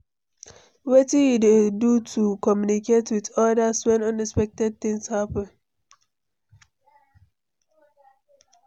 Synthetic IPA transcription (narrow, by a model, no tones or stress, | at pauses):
wetĩjidedutʰukɔmjuniketwitɔdaswɛ̃nʌ̃nɛspɛk̚tɛd̚θĩŋshapə̃n